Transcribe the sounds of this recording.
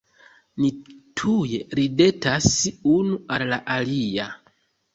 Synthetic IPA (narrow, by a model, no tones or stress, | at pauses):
nitʰuje̞ɾide̞tasunuallaʔalia